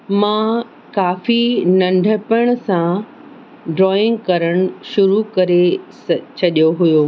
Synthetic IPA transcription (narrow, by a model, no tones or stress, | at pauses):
mã | kaːfinɐ̃ɳɖʱəpəɽ̃ʊsã | ɖɾɔːɪ̃ŋɡkɐɾəɽ̃ʊʃʊɾukɐɾe | t͡ɕʰɐɗjoɦʊjoː